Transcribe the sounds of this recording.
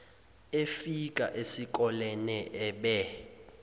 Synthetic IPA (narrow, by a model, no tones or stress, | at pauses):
efikʼa̰ʔesikʼɔlɛnɛʔɛɓɛ